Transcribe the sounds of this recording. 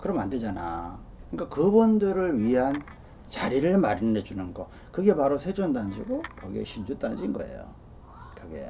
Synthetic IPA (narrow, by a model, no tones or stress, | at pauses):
kɯɾʌmanded͡ʑana̰ | ɯnik͈akɯbondɯɾɯɭɥiɦan | t͡ɕaɾiɾɯɭmaɾined͡ʑunɯnɡʌ | kɯɡe̞paɾosʰed͡ʑondand͡ʑiɡokʌɡḭḛɕʰind͡ʑut͈anɯnd͡ʑiːnɡʌḛjo̰ | kɯɡḛ